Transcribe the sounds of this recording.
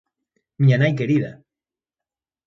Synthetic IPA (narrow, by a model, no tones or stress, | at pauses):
mianajkeɾiða̰